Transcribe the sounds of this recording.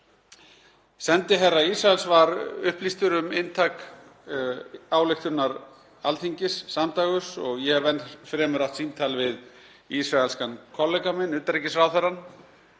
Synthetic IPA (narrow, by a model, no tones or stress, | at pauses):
sɛnt̪ɪɦɛrːaisɾaɛlsvaɾʏhplist̪ʏɾʏmɪnt̪ʰak | aːwlɪxt̪ʏnaɾ | alθiɲcɪsːamt̪aːɣʏsɔɣjɛvɛnːfɾɛːmʏɾaht̪sint̪ʰalvɪð | isɾaɛlskankʰɔlɛkamɛnʏːt̪aɾɛcɪsfɾaːwθɛrːan